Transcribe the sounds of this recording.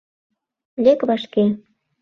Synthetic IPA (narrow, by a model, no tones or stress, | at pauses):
lʲekβɑʃke